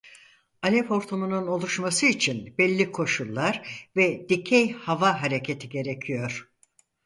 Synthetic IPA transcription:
alʲɛpo̞ɾt̪ʰumununo̞lˠuʃmasɯit͡ʃʰinbɛlʲːikʰo̞ʃulˠːaɾvɛd̪̥icʰɛjhavaɦaɾecʰet̪ʰiɟe̞ɾecʰijo̞ɾ̥

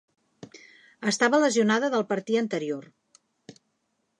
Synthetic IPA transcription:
əst̪aβələziunaðəðəlˠpəɾt̪iənt̪əɾior

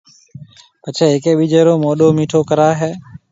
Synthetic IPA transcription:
pət͡ʃʰeːekeːɓiːd͡ʒeːɾoːmoːɗoːmiːʈʰoːkəɾaːɦɛː

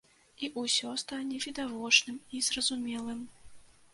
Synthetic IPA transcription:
iʔusʲɔst̪anʲɛvʲid̪avɔt͡ʂnɨmizrɐzumʲɛlˠɨm

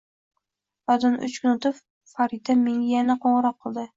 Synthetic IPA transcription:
ɒd̪ɑnʊ̰t͡ʃkʰʊnʊt̪ʰɪp | faɾit̪ʰameŋʲjanaqʰoɴɾɑqʰːɨlˠd̪ɪ

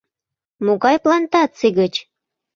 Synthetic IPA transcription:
muɣɑjplɑnt̪ɑt͡siɣət͡ɕ

